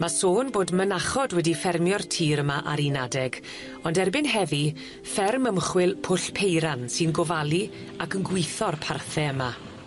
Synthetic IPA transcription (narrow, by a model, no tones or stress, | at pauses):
masoːnboːdmənaχɔdwɛdifɛrmjɔrtʰiːɾəmaʔaɾinadɛɡ | ɔndɛrbɪnɦɛvi | fɛrməmχwɪlˠpʰʊɬpʰejɾansɨnɡɔvalˠi | akənɡwɪjθɔrpʰarθɛəma